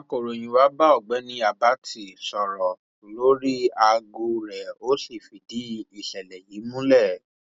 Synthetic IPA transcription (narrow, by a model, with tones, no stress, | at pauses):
a˦ko˨ɾo˨j̃ĩ˧wa˦ba˦ɔ˦˨ɡ͡bɛ˨˦nĩ˧a˨ba˦tʰi˧˨sɔ˨ɾɔ˨ | o˨lo˦ɾi˦a˧ɡo˧ɾɛ˨o˦si˦˨fi˨di˨˦i˨ɬɛ˨lɛ˨ji˨˦mũ˦lɛ˦˨